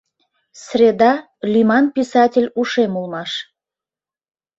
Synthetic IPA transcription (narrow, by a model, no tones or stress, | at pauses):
srʲed̪ɑ | lʲimɑnpʲisɑtʲelʲuʃemulˠmɑʃ